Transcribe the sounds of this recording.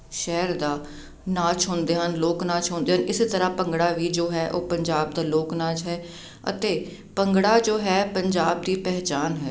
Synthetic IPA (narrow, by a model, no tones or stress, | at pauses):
ʃɛːɾd̪aː | naːt͡ʃɦõːnd̪eːɦənloːknaːt͡ʃɦõːnd̪eːɦənɪst̪əɾãːpəŋɡɽaːʋiːd͡ʒoːɦɛːʔoːpəɲd͡ʒaːb̚d̪aːloːknaːt͡ʃɦɛː | ə̰t̪eː | pəŋɡɽaːd͡ʒoːɦɛːpəɲd͡ʒaːb̚d̪iːpɛɦt͡ʃaːnɦɛː